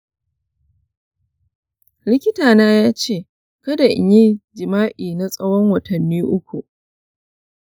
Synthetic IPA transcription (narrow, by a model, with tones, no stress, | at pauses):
lɪ˦kʲɪ˦taː˨naː˦jaː˦t͡ʃeː˦˨ | kɐ˦da˨ʔɪ˨ɲi˦d͡ʒɪ˨maː˦ʔiː˨na˦sʼɐ˦wɔ˦ŋwɐ˨tʰɐ˨nːiː˦ʔʊ˦kʷu˨ʔ